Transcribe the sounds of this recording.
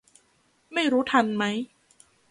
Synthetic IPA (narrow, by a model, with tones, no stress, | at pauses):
ma˥˩jɾuː˦˥t̪ʰa˧nma˦˥j